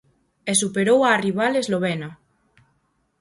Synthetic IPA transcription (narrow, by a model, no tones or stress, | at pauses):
esupeɾowariβ̞alezloβ̞ena